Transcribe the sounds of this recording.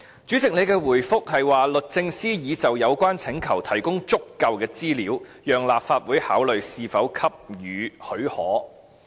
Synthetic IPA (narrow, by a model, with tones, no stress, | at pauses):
t͡ʃyː˨˥t͡sɪ˨k̚ne˨˧jkɛː˧wuː˨˩jfʊ˥k̚hɐ˨jwaː˨lɵ˨t̚t͡sɪ˧ŋsiː˥jiː˨˧t͡sɐ˨wjɐ˨˧wkʷaː˥nt͡sʰɪ˨˥ŋkʰɐ˨˩wt̪ʰɐ˨˩jkʊ˥ŋt͡sʊ˥kːɐ˨˧wkɛː˧t͡siː˥liː˨˧˥wjœː˨ŋlaː˨p̚faː˧t̚wuː˨˥jhaː˨˥wlɵ˨ɥsiː˨fɐ˨˥wkʰɐ˥p̚jyː˨˧hɵ˨˥ɥhɔː˨˥